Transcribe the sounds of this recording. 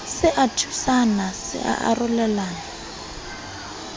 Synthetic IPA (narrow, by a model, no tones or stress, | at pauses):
sɪʔatʰusanasɪ̰ʔa̰ʔa̰rʊlɛlaːna